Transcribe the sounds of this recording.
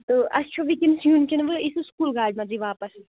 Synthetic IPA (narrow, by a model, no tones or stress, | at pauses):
t̪oɐst͡ʃʰoʋikensjunkenʋɨisuskuːlɡaːɖmãd͡ʒiʋaːpɐs